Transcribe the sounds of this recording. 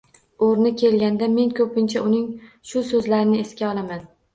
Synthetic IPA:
oɾnɪkʲʰe̞lɡʲand̪ame̞nkʰɵpʰɪnt͡ʃʰaʊnɪŋ | ʃʊsɵzlaɾɪnɪeskʲaɒlˠaman

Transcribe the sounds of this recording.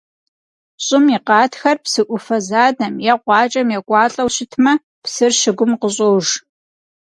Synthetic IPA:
ɕʼɪmiqɑːtxɐrpsɨʔʷʊfɐzaːdɐmjɛqʷɑːt͡ʃʼɐmjɛɡʷʼɑːɬʼɐwɕɪtʰmɐ | psɨrʃɪɡʷʊmqəɕʼowʒ

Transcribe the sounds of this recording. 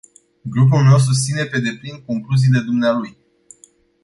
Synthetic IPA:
ɡɾup̬ulme̞ws̬us̬t̪sine̞pe̞d̪e̞plinko̞ŋkluziːle̞d̪umnealuj

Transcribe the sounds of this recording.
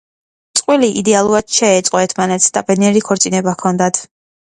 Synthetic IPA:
t̪sʼqʼwiliʔid̪ɛalˠuɾad̪̥ʃɛːt̪sʼqʼɔɛɾt̪ʰmanɛt̪sd̪̥apʼɛniɛɾikʰɔɾt̪sʼinɛbakʰɔnd̪at̪ʰ

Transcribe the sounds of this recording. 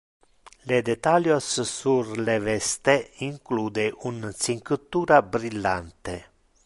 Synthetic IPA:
led̪et̪aljossurlevɛst̪eiŋkluːd̪eʔunt̪siŋkɨt̪ːuːɾabɾilːant̪e

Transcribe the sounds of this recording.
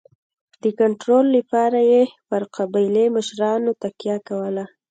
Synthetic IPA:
d̪̥əkaɳʈɾolːəpɑɾajepəɾqabɑjleməʃɾɑnot̪akjɑkawəla

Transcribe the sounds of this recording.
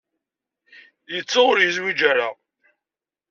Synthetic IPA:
jət͡sːaʁʊɾjəzwid͡ʒaɾa

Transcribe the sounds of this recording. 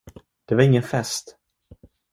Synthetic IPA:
d̪̥ɛvaɾɪŋːənfɛst̪

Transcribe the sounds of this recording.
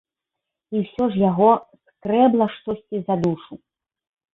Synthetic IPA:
iwsʲɔʐjaɣɔskɾɛblˠɐʂt̪ɔsʲt͡sʲizad̪uʂu

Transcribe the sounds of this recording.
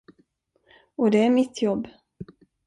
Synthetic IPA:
ɔd̪ɛæɾmɪt̪ʰːjɔbː

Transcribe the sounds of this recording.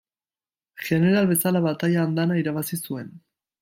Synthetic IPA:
ʝe̞ne̞ɾalβe̞salaβat̪aʎaːnd̪anaiɾaβasisue̞n

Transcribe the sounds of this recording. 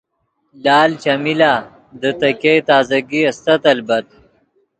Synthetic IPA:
laːlt͡ʃɐmilaː | d̪ət̪ɐkejt̪aːzɐɡiɐst̪ɐt̪ɐlbɐt̪̚

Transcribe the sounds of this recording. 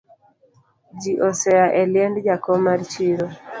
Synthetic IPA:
d͡ʒiʔɔsɛjaʔɛlɪjɛndd͡ʒakɔmaɾt͡ʃiɾo

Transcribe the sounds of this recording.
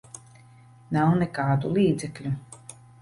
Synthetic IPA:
nawnekaːd̪ulˠiːd̪zɛklʲu

